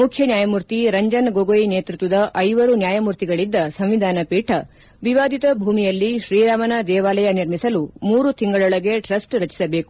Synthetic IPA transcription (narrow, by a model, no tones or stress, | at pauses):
mukʰjɐnjaːjɐmuːɾt̪iɾɐɲd͡ʒɐnɡoɡojineːt̪ɾut̪ʋɐd̪ɐʔɐjʋɐɾunjaːjɐmuːɾt̪iɡɐɭid̪ːɐsɐmʋid̪ʱaːnɐpiːʈʰɐ | ʋiʋaːd̪ʱit̪ɐbʱuːmijɐlːiʃɾiːɾaːmɐnɐd̪ɛːʋaːlɐjɐniɾmisɐlumuːɾut̪iŋɡɐɭɔɭɐɡeʈɾɐsʈɾɐt͡ʃi̥sɐbeːku̥